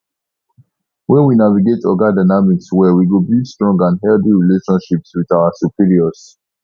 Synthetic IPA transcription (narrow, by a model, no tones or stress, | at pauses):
wɛ̃nwinaviɡetɔɡadaɪnamikswɛwiɡobistɹɔ̃ŋɡãnɦɛldiɹileʃɔ̃nʃipswiðaasupʰiɹiɔs